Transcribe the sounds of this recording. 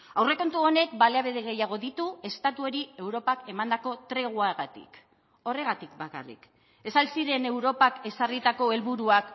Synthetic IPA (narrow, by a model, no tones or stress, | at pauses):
awre̞ko̞nt̪uo̞ne̞k̚baleaβeð̞e̞ɣ̞e̞jaɣ̞o̞ðit̪ue̞st̪at̪uo̞ɾie̞wɾo̞pake̞mand̪ako̞t̪ɾe̞ɣ̞uaɣat̪ḭk | o̞re̞ɣat̪ik̚baka̰rḭk | e̞salsiɾe̞ne̞wɾo̞pake̞sarit̪ako̞e̞lβuɾuak